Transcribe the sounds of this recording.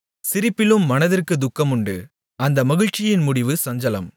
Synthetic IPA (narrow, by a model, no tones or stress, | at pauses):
sɪɾɪpːɪlɯmːɐnɐðɪrkɯd̪ʊkːɐmʊɳɖɯ | ɐnd̪ɐmɐɣɪɻt͡ʃːɪjɪnmʊɽɪʋɯsɐɲd͡ʒɐlɐm